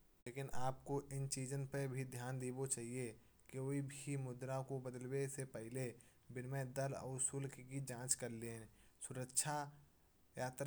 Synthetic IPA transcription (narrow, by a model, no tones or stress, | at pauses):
leːkɪnaːpkoʔɪnt͡ʃiːd͡ʒənpəbʱid̪ʱjaːnd̪eːbot͡ʃaːɦie | keoːibʱimʊd̪ɾakobəd̪əlwesepəɦɪle | bɪnmẽd̪ələ̰ʊsʊlkkid͡ʒãːt͡ʃkəɾleːsʊɾəkʃʰa | jaːt̪ɾ